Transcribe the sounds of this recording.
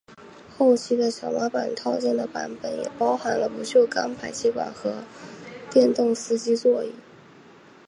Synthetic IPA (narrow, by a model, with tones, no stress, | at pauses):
xo˥˩ʊt͡ɕʰi˥d̪ə˧˨ɕjɑ˨˩ʊma˧˥pa˨˩nt̪ʰɑ˥˧ʊt͡ɕjɛ˥˩nd̪ə˩pa̰˧˥npə˨˩njɛ̰˨˩pɑ˥ʊxa˧˥nlə˧pu˧˥t͡ɕʰjo˥˩ʊka˥npʰa˨˩ɪt͡ɕʰi˥kwa̰˨˩nxɤ˧˥t̪jɛ˥˧nt̪ʊ˥˩ŋsɹ̩˥t͡ɕi˥t͡swɔ˥˧ḭ˥˩˦